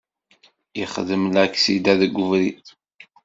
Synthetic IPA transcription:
jəχðəmlæksid̪æðəɡʷːʊvɾiθ

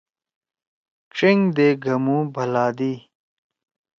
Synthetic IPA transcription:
kʈ͡ʂiŋɡd̪eːɡʱɐmũːbʱɐlaːd̪iː

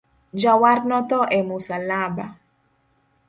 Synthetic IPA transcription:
d͡ʒawarnɔt̪ɔʔɛmusalaba

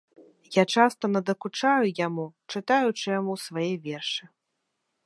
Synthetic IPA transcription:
jat͡ʂast̪ɐnɐd̪ɐkut͡ʂajujamut͡ʂɨt̪ajut͡ʂɨjamusvajɛvʲɛrʂɨ

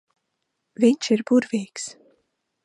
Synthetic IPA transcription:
viɲʃiɾbuɾviːks

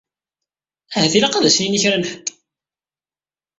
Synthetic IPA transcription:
æɦæθilaqɑðæsniniçɾænħəd̪

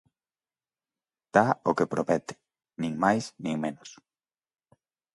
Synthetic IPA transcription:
d̪̥aokepɾopɛt̪ɪ̥ | nĩŋmajsnĩŋmenos

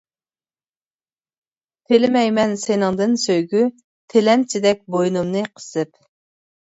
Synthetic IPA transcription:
t̪ʰelɪmɛjmɛnsenɨŋd̪ɨnsøjɡʲy | t̪ʰelɛmt͡ʃʰɪd̪ɛk̚ʲbojnumnɨqʰə̥sɨp

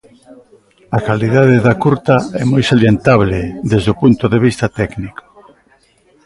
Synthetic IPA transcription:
akaliðaðeðakuɾt̪ɐɛmojsaljent̪aβled̪ezðopunt̪oðeβ̞ist̪ɐt̪ɛkniko̥

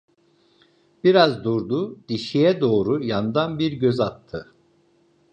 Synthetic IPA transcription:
b̥iɾazd̪uɾd̪ud̪iʃijɛd̪o̞ːɾujanɯd̪anbiɾɟøzat̪ʰːɯ

